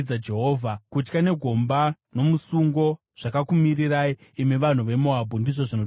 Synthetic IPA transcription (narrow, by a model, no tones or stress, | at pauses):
d͡zad͡ʒe̞ɦoːvʱakut͡ʃkane̞ɡʱo̞mbano̞musuŋɡo̞ | ʐ̥akakumiriraiːmeʋan̤uʋe̞moabʱundiʐo̞ʐino